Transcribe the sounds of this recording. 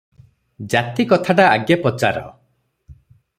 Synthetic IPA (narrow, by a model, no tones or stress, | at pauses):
d͡ʒat̪ikɔt̪ʰaʈaːɡjapɔt͡ʃa̰ɾɔ̰